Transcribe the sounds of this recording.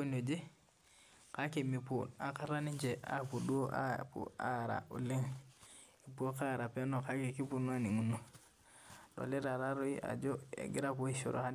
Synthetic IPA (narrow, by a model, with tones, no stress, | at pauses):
o˦no˨d͡ʒi˦ | ka˦ke˨mi˨pu˨na˨ka˦ɾa˦ni˦ɲd͡ʒe˨a̰˦pu˨du˦a˦pṵ˨a˦˨ɾa̰˨ṵ˨li˦ŋ | i˨po˦ka˦ɾa˨pe˦no˨ka˦ke˨ki˦pu˦nu˦a˦ni˨ŋu˨nːu˨ | do̰˨le˦ɾa˨ɾa˦ɾo˦i˦ʔa̰˨d͡ʒo˦a̰˨ɡi˦ɾa˦po˦i˦sṵ˨ɾʔo̰˨a˦n